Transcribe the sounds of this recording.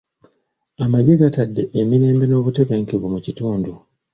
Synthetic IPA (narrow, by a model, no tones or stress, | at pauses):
amaɟeɡatadːe̞ʔemiɾe̞ːmbe̞no̞ːβute̞βeːŋkiβumucituːndu